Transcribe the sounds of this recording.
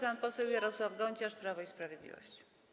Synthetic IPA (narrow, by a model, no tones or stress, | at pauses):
panpɔsɛwjaɾɔswavɡɔɲt͡ɕaʂpɾavɔispɾavʲjɛd̪lʲḭvɔ̰ɕt͡ɕi̥